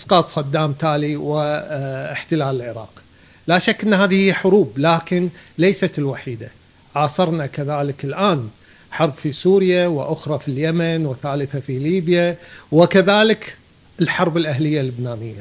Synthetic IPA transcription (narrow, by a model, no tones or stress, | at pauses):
ʔɑsqɑːt̪sˤɑd̪ːaːmt̪aːliwɪɪħt̪ɪlaːlɪlʕɪɾˤɑ̰ːq | laːʃakːʔɪnːhaːðɪhɪjħʊɾuːblaːkɪnlejsat̪ɪlwaħiːd̪a | ʕaːsɑɾˤnakaðaːlɪkɪlʔaːn | ħɑɾˤbfisuːɾjawɪ̰ʔʊxɾˤɑfiljamanwɪθaːlɪθafiliːbjawɪkaðaːlɪk | ɪlħɑɾˤbɪlʔaɦlɪjːalːʊbnaːnɪjːa